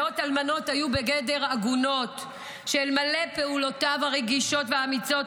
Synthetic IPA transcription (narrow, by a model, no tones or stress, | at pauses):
otalmano̞thajubeɡede̞ʁaɡuno̞t | ʃelmale̞peulo̞tavaʁeɡiʃo̞tveaːmit͡so̞t